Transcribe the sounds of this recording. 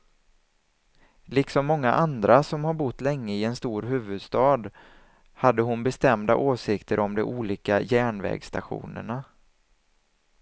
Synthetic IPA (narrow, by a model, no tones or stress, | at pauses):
lɪksɔmːɔŋːa̰ʔand̪ɾasɔmhaɾbʊt̪ːlɛŋːəɪɛnst̪uːɾɦʉ̟ːvɵd̪st̪ɑːd̪ | had̪ːəɦʊnbɛst̪ɛmd̪a̰ʔoːsɪkt̪ʰəɾʔɔmd̪ɛʔuːliːkajæːɳvɛ̰ːɡst̪aɧṵːnə̰ɳa